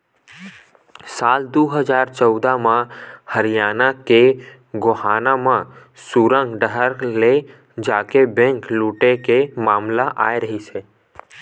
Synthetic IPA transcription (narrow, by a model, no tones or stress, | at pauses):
saːld̪oːɦəd͡ʒaːɾt͡ʃəwd̪amãhəɾijaːnake | ɡohanamã | suɾə̃ŋɡɖəɦəɾle | d͡ʒaːkebɛ̃ŋkluːʈekemaːmlaʔaːjɾəɦit͡ʃʰe